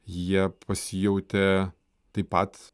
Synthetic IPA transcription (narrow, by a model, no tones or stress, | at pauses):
jiɛpʰɐsʲɪjɛʊt̪ʲɛ | t̪ɐɪpɐt̪